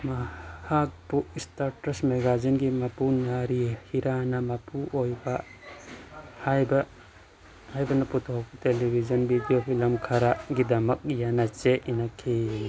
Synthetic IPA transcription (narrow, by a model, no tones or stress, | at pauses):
mahak̚puistaɾʈɐsmeɡad͡ʒinɡimapunaɾihiɾanamapuʔojba | hajbɐ | hajbɐnɐput̪ʰoɦkutelibʱizɐnbidiopʰilɐmkʰaɾaɡidɐmɐk̚janat͡ʃeinakʰi